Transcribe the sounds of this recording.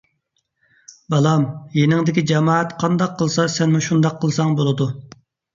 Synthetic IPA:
bɑlˠɑmjenɪŋd̪ɪkʲid͡ʒɑmɑːɛt̪qʰɑnd̪ɑqʰːəlˠsɑsɛnmuʃund̪ɑqʰːəlˠsɑŋbolˠɨd̪u

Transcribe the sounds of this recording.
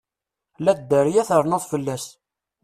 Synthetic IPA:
læd̪ːəɾjæθəɾˤnəðˤfəlːæs

